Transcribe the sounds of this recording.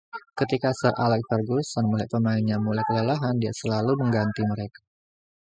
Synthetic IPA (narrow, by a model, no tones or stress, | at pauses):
kət̪ikasarʔalɛk̚farɡusanmulajpəmaɪnɲamulajkəlalaɦandiasəlaluməŋɡant̪iməɾekḁ